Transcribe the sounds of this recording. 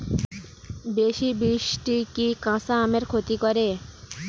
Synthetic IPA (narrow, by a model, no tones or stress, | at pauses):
beʃibiʃʈikikãsaameɾkʰot̪ikoɾe